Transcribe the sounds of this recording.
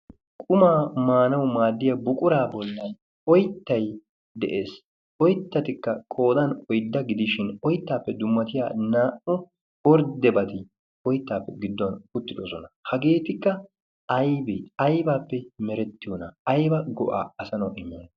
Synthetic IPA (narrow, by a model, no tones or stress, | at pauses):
kʼʊmaːmaːnɐwmaːd̪ːɪjɐbʊkʼʊɾaːbɔlːɐn | ɔjt̪ːɐj | d̪ɛʔe̞ːs | ɔjt̪ːɐt̪ɪkːɐkʼo̞ːd̪ɐnɔjd̪ːɐɡɪd̪ɪʃɪnɔjt̪ːaːpːɛd̪ʊmːɐt̪ɪja̰ːnaːʔʊ | ɔɾd̪ɛbɐt̪ɪ | ɔjt̪ːaːpːɛɡɪd̪ːɔnʊt̪ːɪd̪osɔnɐhɐɡe̞ːt̪ɪkːɐ | ɐjbɛɐjbaːpːɛmɛɾɛt̪ːɪjonɐɐjbɐɡɔ̰ʔa̰ːɐsɐnɐwʔɪmːɐ